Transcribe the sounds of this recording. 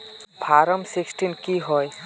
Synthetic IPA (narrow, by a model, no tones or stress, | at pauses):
bʱaɾɔmsiksʈinkiɦɔj